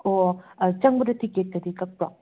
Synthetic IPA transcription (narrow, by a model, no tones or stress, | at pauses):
ot͡ʃɐŋbɐdɐtʰiket̚kɐdikɐk̚pɾa̰ŋ